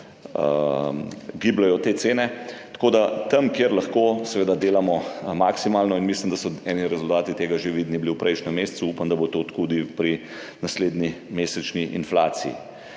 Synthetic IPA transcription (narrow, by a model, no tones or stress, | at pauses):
ə | ɡiːblajɔt̪eːt̪seːnɛt̪ḁkod̪at̪ɐmkjeɾlaxkoːsɛʋeːd̪ad̪eːlamɔmaksimaːlnɔinmislimd̪asɔɛːniɾɛzult̪aːt̪it̪eːɡaʒeʋiːd̪nibliwpɾʔɛjʃnɛmːessuupamd̪ɐbot̪ot̪kud̪ipɾi | nasleːd̪nimeːsɛt͡ʃniʔḭnflaːt̪sḭḭ